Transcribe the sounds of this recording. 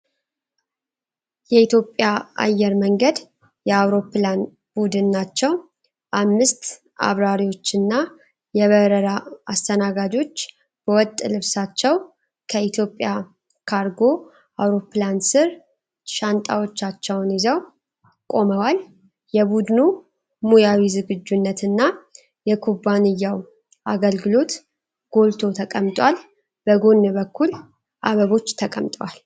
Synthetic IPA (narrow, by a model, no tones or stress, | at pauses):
jɛit̪jo̞pʼːjaa̰jːɛɾməŋɡəd̪ | jɛawɾo̞plan | bud̪ɨnːat͡ʃːɛw | ʔamːɨst̪ | a̰βɾaɾiwo̞t͡ʃːɨnːa | jɛβəɾəɾaast̪ʰənaɡad͡ʒo̞t͡ʃː | b̥əwɔt̪ʼːlɨβsat͡ʃːɛw | kʰəit̪ʰjo̞pʼːja | kʰaɾɡo̞ | ʔawɾo̞plansɨɾ | ʃant̪ʼa̰wot͡ʃːat͡ʃːɛwnjizəw | kʼo̞məwal | jɛbud̪nu | mujawizɨɡɨd͡ʒːunːət̪ɨnːa | jɛkʰubanɨjːaw | ʔaɡəlɡɨlo̞t̪ | ɡ̥o̞lt̪ʰo̞t̪ʰəkʼəmt̪ʼwal | b̥əɡo̞nːbəkʰːul | ʔaβəβo̞t͡ʃːt̪ʰəkʼəmt̪ʼəwal